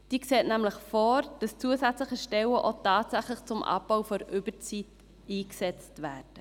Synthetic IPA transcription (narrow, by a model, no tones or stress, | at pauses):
d̥iːkseːtnæmləχfɔːɾd̥ɑst͡suəsæt͡sləχəʃtɛwəʔotɑːtsæχləχt͡sʊmʔɑ̰bb̥aʊfɔɾʔʏb̥əɾt͡sit | iːksɛt͡stvæːɾd̥ə